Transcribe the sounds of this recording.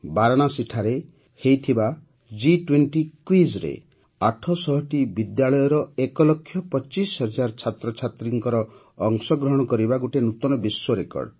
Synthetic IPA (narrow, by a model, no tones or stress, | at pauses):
baɾɔɽ̃asiʈʰaɾe | hejt̪ʰiba | d͡ʒiʈweɳʈikwizɾḛ | aʈʰɔsɔɦɔʈibid̪jaɭɔjɔɾɔekɔlɔkʰːjɔpɔt͡ʃisɦɔd͡ʒaɾt͡ʃʰat̪ɾɔt͡ʃʰat̪ɾiŋkɔɾɔː | ŋsɔɡɾɔɦɔɽ̃ɔkɔɾibaɡuʈenut̪ɔnɔbiswɔɾekɔ̰ɾɖ